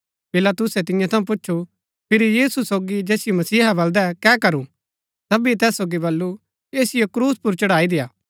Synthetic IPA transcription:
pɪlaːt̪ʊsɛt̪ɪ̃jãt̪ʰɐ̃ũp̬ʊt͡ʃːʃʰu | pʰɪɾijiːsusoːɡid͡ʒɛːsɪjomɐsiːɦabɐld̪ɛkɛːkɐɾũ | t̪ɐbit̪ɛːsoːɡibɐlːu | eːsɪjokɾuːspʊɾt͡ʃɐɽaːid̪ɪjaː

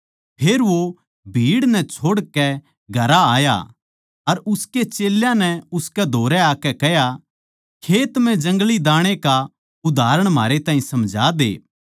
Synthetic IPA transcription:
pʰeːɾʋo | bʱiːɽnɛt͡ʃʰoːɽkɛ | ɡʱɐɾaaːja̰ | ɐɾʊsket͡ʃeːljãnɛʊskɛd̪ʱoːɾɛaːkɛkɛɦja | kʰeːt̪m̤ɛ̃d͡ʒɐ̃ŋɡlid̪aːɽ̃eka | ʊd̪ʱaːɾəɽ̃maːɾet̪ãːĩsɐmd͡ʒʱa̰ːd̪ḛː

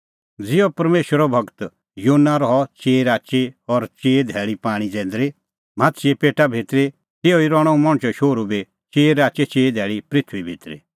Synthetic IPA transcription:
d͡zɪɔpɐɾmeːʃwəɾɔbʱɐɡt̪ | joːnːaɾɔɦɔt͡ʃeːɾaːt͡ʃeɔɾt͡ʃeːd̪ʱɛːɭipaːɽ̃id͡zɛ̃ːn̆d̪ɾe | m̤at̪siepeːʈabʱet̪ɾe | t̪eːɔiɾɔːɽ̃ɔ̃ũmɔɽ̃t͡ʃɔʃoːɾube | t͡ʃeːɾaːt͡ʃet͡ʃeːd̪ʱɛːɭipɾɪt̪ʰwibʱit̪ɾḛ

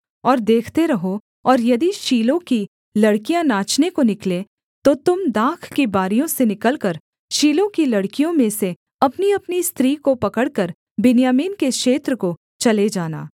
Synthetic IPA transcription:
ɔːɾd̪eːkʰt̪eɾɐɦo | ɔːɾjɐd̪iʃiːlõki | lɐɽkijãnaːt͡ʃnekonɪkle | t̪ot̪ʊmd̪aːkʰkibaːɾijõsenɪkəlkɐɾ | ʃiːlõkilɐɽkijõmẽse | ɐpniɐpnist̪ɾiːkopɐkəɽkɐɾ | bɪnjaːmiːnkeʃeːt̪ɾəko | t͡ʃɐled͡ʒaːna̰ː

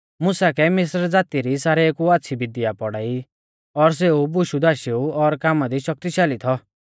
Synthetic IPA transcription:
mʊsakɛmɪs̬ɾd͡zaːt̪iɾisaːɾeekuat̪ːʃʰibɪd̪ijapɔɽaːi | ɔɾs̬eubʊʃud̪aːʃeuɔɾkaːmad̪iʃɔk̚t̪iʃaːlit̪ʰɔ

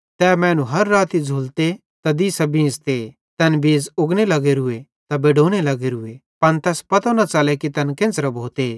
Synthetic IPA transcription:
t̪ɛːmɛ̃ːnũɦɐɾːaːt̪id͡zʱuːlt̪e | t̪ɐd̪isɐbĩst̪e | t̪ɛːnbeːd͡zʊɡnelɐɡeɾʊe | t̪abeːɖoːñelɐɡeɾʊepɐnt̪ɛːspɐt̪onɐt͡saːlekit̪ɛnkẽːnt͡sɾɐbʱoːt̪e

